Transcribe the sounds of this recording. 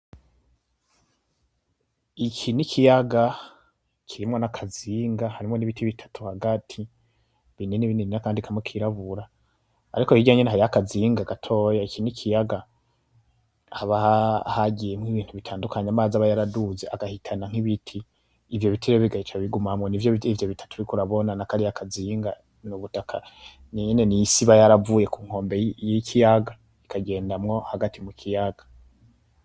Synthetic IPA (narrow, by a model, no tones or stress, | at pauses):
ikʰinikʰijaɡa | kʰiɾimŋo̞nakʰaziːŋɡahaɾimŋo̞niβitʰiβitʰḁtʰuhaɡatʰi | βineniβineinakaːndikʰamŋwekʰiɾaβuɾa̰ː | ɾiko̞hiɟaːɲeneɦaɾiakaziːŋɡaɡatʰo̞ːjaikinikʰijaɡa | haβahahaɡijemŋiβiːn̥huβitʰaːndukaɲamaːzaβajaɾaduzeʔaɡahitʰanaŋ̥iβitʰiː | vjo̞βitʰiɾeβiɡahit͡ʃaβiɡumamŋonivjoivjo̞βitʰḁtuiikuɾaβo̞nanakaɾijakaziŋɡa | nuβutakʰa̰ | niɲene̞nijisiβajaɾavuːje̞kuːŋ̥o̞ːmbejikʰijaɡa | ikʰaɡe̞ːndamŋo̞haɡatʰimukʰijaɡḁ